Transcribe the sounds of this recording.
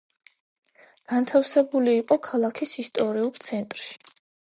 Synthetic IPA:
ɡ̥ant̪ʰafsɛbuliːqʼɔkʰalˠakʰisist̪ʼɔɾiulˠt̪sʰɛnt̪ʼɾʃi̥

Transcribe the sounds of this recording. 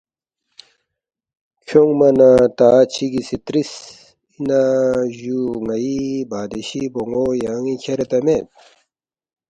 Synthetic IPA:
kʰoŋmɐnat̪aːt͡ɕʰiɡisit̪ɾis | inaʑuŋɐibaːd̪eɕiboŋɡoːjaŋĩkʰeɾet̪ɐmet̪̚

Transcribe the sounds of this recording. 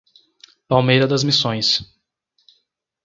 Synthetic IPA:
pawmejɾɐd̪ɐzmisõj̃s

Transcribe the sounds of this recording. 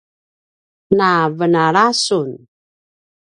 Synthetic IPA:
navənaɾasun

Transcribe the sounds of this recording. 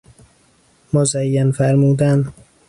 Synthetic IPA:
mozæjːænfæɾmuːd̪ænd̪

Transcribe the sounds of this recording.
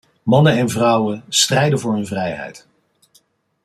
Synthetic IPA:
mɑnənɛnvrɑwənstrɛjdəvʊːɹɦɵnvrɛjɦɛ̰jt

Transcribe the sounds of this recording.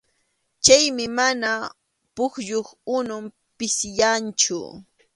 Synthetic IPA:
t͡ʃajmɪmana | pʊkʎoχʊnʊm | pɪsɪjant͡ʃʊ̰

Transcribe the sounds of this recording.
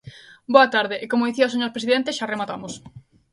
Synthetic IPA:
boɐt̪aɾðɪʔekomʊðiθiaoseɲoɾpɾesiðent̪eʃaremat̪amʊs

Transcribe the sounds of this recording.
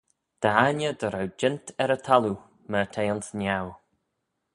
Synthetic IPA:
d̪̥aanjəd̪əɾawd͡ʒɪnt̪ʰɛɾət̪ʰalu | mət̪ʰejɔnsnʲaw

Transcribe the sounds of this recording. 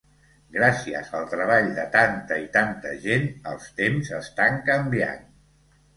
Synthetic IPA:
ɡɾasiə̰zəlˠt̪ɾəβ̞aʎd̪ət̪ant̪əit̪ant̪ə̰ʒenəlˠst̪emzəst̪aŋkəmbja̰n

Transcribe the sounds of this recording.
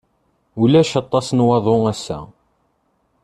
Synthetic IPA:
ulæʃɑt̪ˤːɑsnwɑðˤoæsːæ̰

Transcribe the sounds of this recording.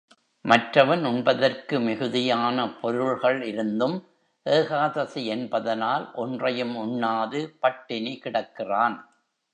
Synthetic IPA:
mɐʈrɐʋɐnʊɳbɐðɐrkɯmɪɣɯðɪjaːnɐpɔɾɯɭɣɐɭɪɾɯnd̪ɯm | ʔeːɣaːðɐsiɛnbɐðɐnaːlʔɔndrɐjɯmʊɳːaːðɯpɐʈːɪnekɪɽɐkːɪraːn

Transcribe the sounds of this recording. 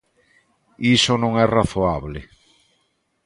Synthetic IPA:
isonõŋɛraθoaβle

